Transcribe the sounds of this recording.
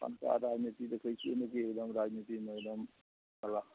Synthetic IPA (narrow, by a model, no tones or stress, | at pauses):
a̰nka̰ɾad͡ʒnit̪id̪ekʰəjt͡ʃʰenəkiekd̪əmɾad͡ʒnit̪imeekd̪əm | bəla